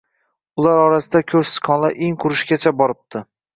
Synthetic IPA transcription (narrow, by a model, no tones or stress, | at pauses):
ʊlaɾɒɾasɪd̪akʲʰɵɾsɪ̥sqʰɒnlˠaʔeŋqʰʊɾɪʃɡʲat͡ʃʰabɒɾɪp̚t̪ʰɪ